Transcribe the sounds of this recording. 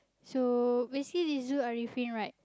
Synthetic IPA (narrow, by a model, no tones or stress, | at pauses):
sobesi̥klidesduaɹifĩnɹaɪt̚